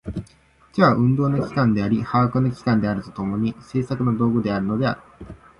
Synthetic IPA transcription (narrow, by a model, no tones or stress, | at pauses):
d͡ʑaːʔɯ̟̃nd̪o̞ːnokʲi̥kãnd̪e̞aɾʲihaːkɯnokʲi̥kãnd̪e̞aɾɯ̟t̪o̞̥t̪o̞mo̞ɲ̟ise̞ːsakɯ̟no̞d̪o̞ːɡɯ̟d̪e̞aɾɯ̟no̞d̪e̞a̰ɾɯ̟